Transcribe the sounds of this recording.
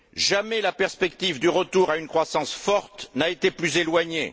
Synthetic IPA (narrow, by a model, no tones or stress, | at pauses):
ʒamɛlapɛʁspɛkt̪ivd̪yʁət̪uʁaynkχwasɑ̃sfɔʁt̪naet̪eplyzelwaɲḛ